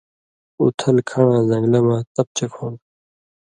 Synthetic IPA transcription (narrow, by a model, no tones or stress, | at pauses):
ṵt̪ʰɐlkʰɐɳãːzɐ̃ŋɡlɐmãːt̪ɐp̚t͡ɕekʰoːn